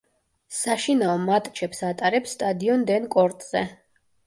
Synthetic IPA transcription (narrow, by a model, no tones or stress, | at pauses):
saʃinaɔmat̪ʼt͡ʃʰɛpsat̪ʼaɾɛpsːt̪ʼad̪iɔnd̪ɛnkʼɔɾt̪ʼz̥ɛ̰